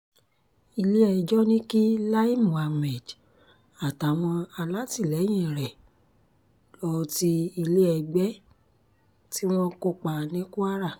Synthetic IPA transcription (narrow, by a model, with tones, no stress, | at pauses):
i˧le˦ɛ˧d͡ʒɔ˦nĩ˦ki˦la˦i˦˨mũ˨a˧mɛ˨d | a˨ta˨w̃ɔ̃˧a˧la˦ti˦˨lɛ˨˦j̃ĩ˦˨ɾɛ˨ | lɔ˧ti˧i˧le˦ɛ˧ɡ͡bɛ˦ | ti˦w̃ɔ̃˦ko˧k͡pa˨nĩ˨˦ku˦a˦ɾa˦˨